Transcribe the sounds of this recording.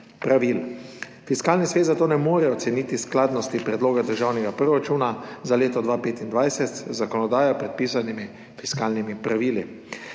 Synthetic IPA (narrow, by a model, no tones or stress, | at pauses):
pɾaʋil | fiskaːlnisʋeːt̪zat̪oːnɛmoːɾɛɔt̪sɛniːt̪isklaːd̪nɔst̪ipɾɛd̪loːɡad̪əɾʒaːwnɛɡapɾɔɾat͡ʃunazaleːt̪ɔd̪ʋaːpeːt̪ind̪ʋajsɛt̪zakɔnɔd̪aːjapɾɛt̪̚piːsanimi | fiskaːlnimipɾaʋiːli